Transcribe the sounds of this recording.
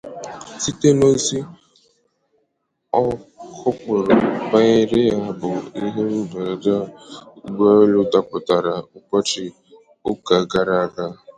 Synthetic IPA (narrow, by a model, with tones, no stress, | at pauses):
si˦te˦no˦n̩˦si˦ | ɔ˦kʊ˦k͡pʊ˨ɾʊ˨ba˦ɲe˦ɾe˦ja˦a˦bʊ˨i˦ɦe˦u˦ba˨a˨da˦ɡ͡ba˦lʊ˦da˨pʊ˨ta˨ɾa˨ʊ˦kɔ˦t͡ʃɪ˦ | ʊ˦ka˨ɡa˨ɾa˨ɡa˦